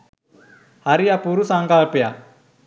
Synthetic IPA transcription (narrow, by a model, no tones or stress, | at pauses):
haɾijapuɾusãŋkalpeja̰